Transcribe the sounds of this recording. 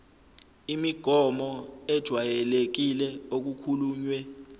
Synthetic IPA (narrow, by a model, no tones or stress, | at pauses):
imiɡ̥ʱɔmɔɛd̥ʒ̥ʱwajɛlek̬ilɛok̬ukʰuluːɲwɛ